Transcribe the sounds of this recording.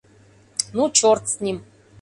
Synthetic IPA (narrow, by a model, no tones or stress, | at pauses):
nut͡ɕort̪sʲnʲim